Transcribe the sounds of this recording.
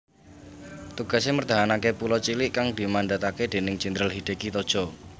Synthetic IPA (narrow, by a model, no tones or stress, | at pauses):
t̪uɡ̥a̤semərt̪aɦanakepulɔt͡ʃilɪʔkaŋd̪i̤mandat̪aked̪̥e̤nɪŋt͡ʃind̪ɾəlɦid̪̥e̤kit̪ɔd̥ʒ̥ɔ̤